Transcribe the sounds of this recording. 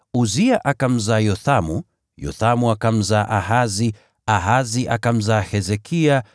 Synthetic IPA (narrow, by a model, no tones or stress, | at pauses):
uziaʔakam̩zajɔθamu | jɔ̰θamuakam̩zaʔaɦazi | aɦaziʔakam̩zahɛzɛkʰia